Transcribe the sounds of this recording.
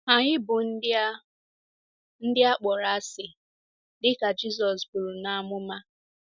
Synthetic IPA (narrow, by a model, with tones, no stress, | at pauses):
a˨ɲɪ˦bʊ˨n̩˦ | n̩˦dɪ˦a˦k͡pɔ˨ɾa˨a˦sɪ˨ | dɪ˦ka˨d͡ʒi˦s̬ɔ˨sbʊ˨ɾu˨na˨mʊ˦ma˦